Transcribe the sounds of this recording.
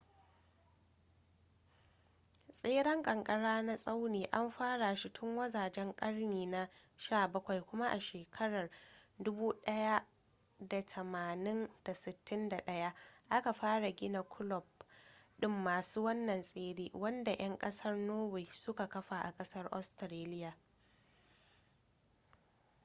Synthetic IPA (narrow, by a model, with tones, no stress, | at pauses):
sʼeː˦ɽɐ˦ŋkʼɐ˨ŋkʼɐ˦ɽaː˦na˦sʼa˦wneː˨ʔa˦mɸaː˦ɽa˨ʃi˦tʰʊ˦ŋwɐ˦zaː˨d͡ʒɛ˦ŋkʼɐ˦rniː˨na˦ʃaː˦˨bɐ˦kʷa˨jkʷʊ˦ma˦ʔa˨ʃeː˨kʰɐ˦ɽɐ˨rdʊ˦buː˦ɗɐ˦ja˦ | da˨tʰɐ˨maː˨nɪ˦nd̥a˨sɪ˨tːɪ˦nda˨ɗɐ˦ja˦ʔa˦ka˨ɸaː˦ɽa˨ɡʲɪ˦na˨kʷʰʊ˦lɔ˨b̚ɗɪ˦mːaː˨suː˦wɐ˦nːɐ˨nsʼeː˦ɽeː˦wɐ˦nda˨ʔɐ˦ŋkʼɐ˦sɐ˦rnoː˦we˨sʊ˦ka˨kɐ˦ɸa˨ʔa̰˨kʼɐ˦sɐ˦rʔɔ˦stɾeː˦lɪ˦ja˨